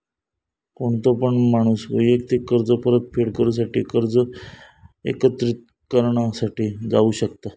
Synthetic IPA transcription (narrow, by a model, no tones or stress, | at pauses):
koɳt̪opəɳmaɽ̃uːsʋəjʋək̚t̪ikːəɾd͡zəpəɾət̪̚fʰeɽkəɾus̬aʈiːkəɾd͡zə | ḛkət̪ɾit̪̚ | kəɾɳasaʈiːd͡zauːɕəkt̪a